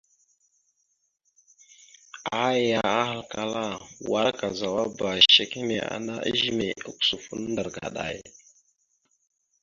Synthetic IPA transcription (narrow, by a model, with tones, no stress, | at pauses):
a˦ja˨a˦ha˨lka˨la˦wa˦ɾka˨za˨wa˦ba˨ʃe˨ki˦me˨a̰˨na˦ʔə̰˦ʒi˦me˨a˦ku̥˦˨su˨fu˦n˦nda˨ɾɡa̰˨ɗa̰˨j